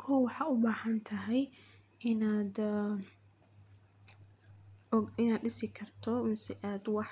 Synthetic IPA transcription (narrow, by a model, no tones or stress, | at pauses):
kʰɔːwɑħɑːʊbaːhɐnt̪ʰɐɦɛj | ɪnaːd̪ | ɪnaːd̪ɖɪsɪkʰɐrt̪ʰɔmɪsɛʔaːd̪wɑħ